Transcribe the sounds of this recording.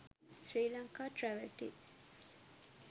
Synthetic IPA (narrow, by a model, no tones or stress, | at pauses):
sɾiːlaŋkaʈɾɛʋɛlʈḭ